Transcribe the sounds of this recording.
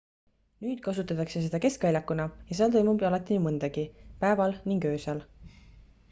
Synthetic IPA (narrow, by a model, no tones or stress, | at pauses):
nyːd̪̥̚kɑsut̪ːˑɑt̪ːˑɑkse̞s̬e̞d̪̥ɑke̞skvɑjlʲɑkːunɑjɑseɑlt̪ojmubjɑlɑt̪ːˑinumɯnd̪̥ɑɡ̥ipæevɑlniŋɡø̞ːsɑl